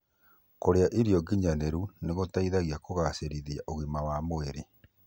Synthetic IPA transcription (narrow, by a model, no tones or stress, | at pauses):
koɾeaʔiɾiɔɡiɲaneɾuneɣotaiðaɣiakoɣaseɾiðiaʔoɣimawamoeɾe